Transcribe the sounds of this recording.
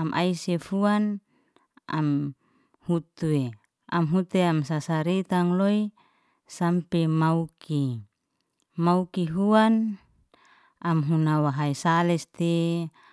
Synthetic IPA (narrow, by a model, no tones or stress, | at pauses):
amʔa̰isefuan | a̰m | hut̪ue | amɦut̪eamsasaɾet̪aŋloi | sampemaukʰi | maukiɦuan | amɦunawaɦaisalɛst̪e